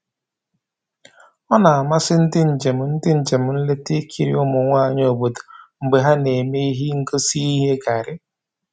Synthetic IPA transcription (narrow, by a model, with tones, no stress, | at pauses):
ɔ˦na˨a˨ma˦sɪ˦n̩˦dɪ˦n̩˨d͡ʒe˨m̩˨n̩˦dɪ˦n̩˨d͡ʒe˨m̩˨n̩˦le˦te˦kʰi˨ɾḭ˦ʊ˦mʊ˨ŋʷa˦a˨ɲ˦oo˨bo˨do̥˨ŋ͡m̩˨ɡ͡be˨ɦa˦ne˨me˦i˦ɦi˦ŋ̩˦ɡo˦si˦i˦ɦe˦ɡa˨ɾɪ˦